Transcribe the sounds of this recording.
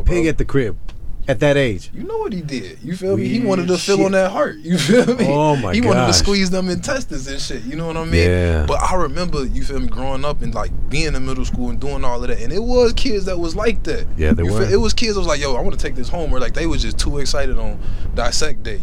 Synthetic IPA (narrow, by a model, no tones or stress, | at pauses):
pʰɪɡɨt̪̚ðɨkʰɹ̥ɪb̚ɨt̪̚ðɨɾeɪd̥ʒ̥jɨnoʊwʌt̚hidɪd̥jɨfɛlˠmiiwɑ̃ñɨd̚tɨfɪlˠə̃n̩ðɨt̚hɑɹt̚jɨfɛlˠmiomaɪhiwɑ̃nɨdtʰɨskwizðə̃mɨ̃ntʰɛst̚ɨsɪʃɪt̚jɨnoʊwʌɾaɪmĩnb̥ʌɾʔa̰ɪɹɨmɛ̃mbə˞jɨfɪlˠmɡɹoʊɪ̃ŋʌpɨ̃nlaɪk̚b̥iɪ̃nðɨmɪɾl̩ˠskulˠə̃nduɪ̃ŋɔlˠʌvðætɨ̃nɪt̚wʌz̥kʰɪdzðɨt̚wʌzlaɪk̚ðæt̚jæ̰ðeɪt̚wʌz̥kʰɪdzðət̚wʌzlaɪkjoʊaɪwɑ̃nətʰeɪk̚ðɪshõʊ̃mə˞laɪk̚ðeɪwʌzd͡ʒʌstʰuɨksaɪɾɨɾn̩daɪsɛk̚d̥eɪ